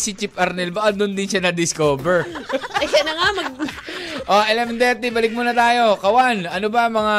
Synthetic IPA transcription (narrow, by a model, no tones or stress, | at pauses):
sɪt͡ʃɪpʔɐɾnɛlbɐʔɐd̪ʊnd̪ɪnʃanɐd̪ɪskoːbɛɹɐjkɐnɐŋamɐɡ̚ | ʔoʔɛlɛmɛnd̪ɛt̪ɪbɐlɪɡ̚monɐt̪aːjo̞kɐwanɐnobɐmɐŋa